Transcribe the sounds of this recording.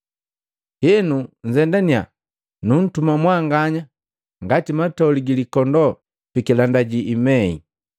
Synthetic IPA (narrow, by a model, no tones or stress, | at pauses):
hɛnuɲ̩zɛndania̰ | nun̩tumamwaŋɡaɲa | ŋɡatimatauliɡilikɔndɔ | pikilandaɟiːmɛḭ